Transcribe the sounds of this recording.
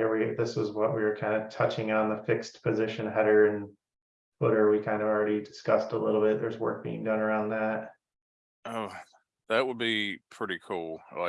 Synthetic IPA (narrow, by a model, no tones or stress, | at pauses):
wiðɪsɨzwʌʔ̚wiə˞kʰãɪ̃ndɨ̥tʰʌt͡ʃɪ̃ŋə̃nðəfɪkspʰɨzɪʃɨ̃nɦɛɾə˞ɨ̃n | fʊɾə˞wikʰãɪ̃ndʌvl̩ˠɹɛɾidɨskʌstəlɪɾl̩ˠbɪt̪̚ðə˞zwɜ̰˞k̚b̥ḭɪ̃ŋdʌ̃nə˞ãʊ̃nðæt̚ | oʊ | ðɨʔ̚wəd̚bipʰɹ̥ɪɾikʰulˠla̰ɪ